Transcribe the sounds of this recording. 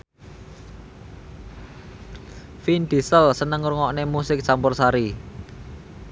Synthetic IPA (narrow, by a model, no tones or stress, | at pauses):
find̪̥isəlsənəŋɾuŋɔʔnemusɪk̚sampʊrsaɾi